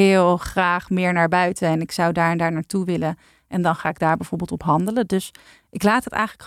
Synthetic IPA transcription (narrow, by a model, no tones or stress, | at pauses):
ɪːlˠχraːχmɪːɹnaːɹbœɥtəɛnɪksʌwdaːɹɛndaːɹnaːɹtuʋɪlən | ʔɛndɑnχaːɪɡ̚daːɹbɛjv̥oːɹbɪlˠtɔpɦɑndələdɵs | ʔɪklaːtɦətɛ̰jχələk